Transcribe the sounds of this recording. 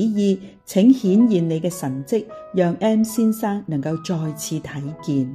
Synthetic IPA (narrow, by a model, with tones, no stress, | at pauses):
jiː˧ | t͡sʰɪ˨˥ŋhiː˨˥njiː˨nne˨˧jkɛː˧sɐ˨˩nt͡sɪ˥k̚jœː˨˧ŋʔɛː˥msiː˥nsaː˥ŋnɐ˨˩ŋkɐ˧wt͡ʃɔː˧jt͡sʰiː˨˧t̪ʰɐ˨˥jkiː˨˧n